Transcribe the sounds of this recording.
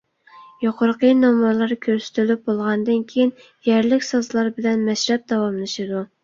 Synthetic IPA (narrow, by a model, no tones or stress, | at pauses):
joqʰoɾqənɑmuɾlˠɑɾkʲʰøɾsy̥t̪ʰylyp̚bolˠʁɑnd̪ɨnkʲʰejɪn | jɛɾlɪkʲsɑzlˠɑɾbɪlɛnmɛʃɾɛp̚d̪ɑwɑmlˠɨʃɨd̪u